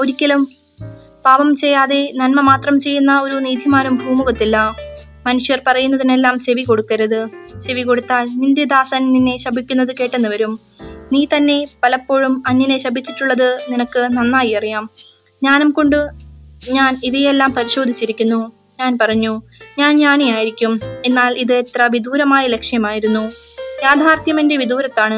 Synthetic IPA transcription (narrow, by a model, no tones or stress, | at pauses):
o̞ɾikʲːɐlum | paːʋɐmt͡ɕe̞jːaːðe̞nɐnmɐmaːt̪rɐmt͡ɕe̞jːunːɐo̞ɾuniːd̪ʱimaːnumbʱuːmuɣɐt̪ːilːɐ | mɐnuʂjɐrpɐrɐjunːɐðine̞lːaːmɕeʋiko̞ɽukːɐɾɐðɨɕe̞ʋiko̞ɽut̪ːaːlnind̪jɐd̪aːsɐnninːe̞ɕɐbʱikʲːunːɐðɨke̞ːʈːenːɨʋɐɾum | niːt̪ɐnːe̞pɐlɐpːo̞ːɻumɐɲːɐne̞ɕɐbʱit͡ɕːiʈːuɭːɐðɨninɐkːɨnɐnːaːjiɐrijaːm | ɲaːnɐmko̞ɳɖɨɲaːniʋɐjelːaːmpɐɾiɕo̞ːd̪ʱit͡ɕːiɾikʲːunːu | ɲaːnpɐrɐɲːuɲaːnɲaːnejaːjiɾikʲːume̞nːaːliðɨet̪rɐʋid̪ʱuːɾɐmaːjɐle̞kʂjɐmaːjiɾunːujaːd̪ʱaːrt̪jɐmendeʋid̪ʱuːɾɐt̪ːaːɳɨ